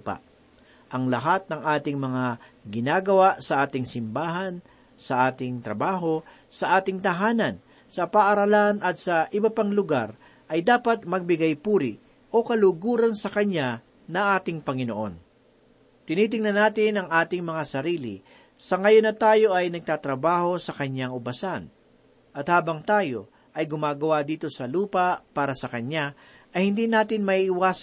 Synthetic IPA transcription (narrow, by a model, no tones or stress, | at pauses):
pa̰ʔ | ʔɐŋlɐɦat̪̚nɐŋʔaːt̪ɪŋmɐŋaɡɪnaːɡɐwaʔsɐʔaːt̪ɪŋsɪmbaːɦɐn | sɐʔaːt̪ɪŋt̪ɾɐbaːɦo̞ | sɐʔaːt̪ɪŋt̪ɐɦaːnɐn | sɐpaʔɐɾɐlanʔɐt̪̚sɐʔɪbɐpaŋlʊɡa̰ɾ | ʔɐjd̪aːpɐt̪̚mɐɡ̚bɪɡajpuːɾɪʔ | ʔo̞kɐlʊɡuːɾɐnsɐkɐɲa | nɐŋʔaːt̪ɪŋpɐŋɪno̰ʔo̞̰n | t̪ɪniːt̪̬ɪŋnɐnaːt̪ɪnɐŋʔaːt̪ɪŋmɐŋasɐɾiːlɪ̰ | sɐŋɐjonːɐt̪aːjo̞ʔɐjnɐɡ̚t̪aːt̪ɾɐbaːho̞sɐkɐɲaŋʊbɐsan | ʔɐt̪haːbɐŋt̪aːjo̞ | ʔɐjɡʊmaːɡɐwad̪iːt̪o̞sɐluːpapaːɾɐsɐkɐɲa | ʔɐjhɪnd̪iːnaːt̪ɪnmɐʔiːʔɪwaːs